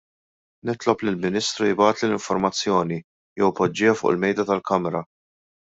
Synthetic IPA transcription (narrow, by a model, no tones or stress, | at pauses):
nɪt̪lɔplɪlmɪnɪːst̪ɾujbɐːt̪lilɪɱfɔɾmɐt͡sːjɔːni | jɛwpːɔd͡ʒːɪːɐfʊ̰ːʔɪ̰lmɛjd̪ɐt̪ɐlkɐmɛɾɐ